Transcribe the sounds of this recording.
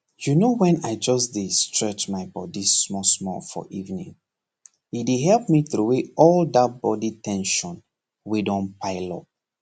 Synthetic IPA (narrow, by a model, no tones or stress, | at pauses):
junowɛ̃naɪd͡ʒɔsdestɹɛt͡ʃmaɪbɔdimɔsmɔfɔ̰ʔivnḭ̃ŋ | it̚deɦɛlˠp̚miθɾoweɔlˠdat̚b̥ɔditɛ̃nʃɔ̃n | wedɔ̃npʰaɪlɔ̰p̚